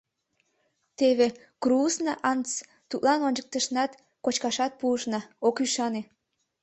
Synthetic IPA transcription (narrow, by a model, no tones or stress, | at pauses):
t̪eβe | krusnɑʔɑnt͡s | t̪ut̪lɑnonʲd͡ʑək̚t̪əʃnɑt̪ | kot͡ɕkɑʃɑt̪̚puəʃnɑokyʃɑne